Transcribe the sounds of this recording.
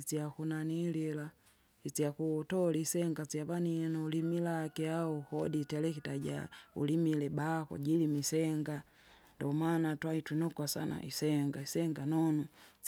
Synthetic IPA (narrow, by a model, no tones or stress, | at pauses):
it͡sjakunanilila | it͡sjakutɔlisɛŋɡat͡siaβaninaulimilakɛaɔhɔditɛlɛkitaɟa̰ṵlimilɛbakɔ̰ɟilimisɛŋɡa | ndɔmanatwaitwinɔkwasa̰na̰ʔḭsɛŋɡaisɛŋɡanɔnu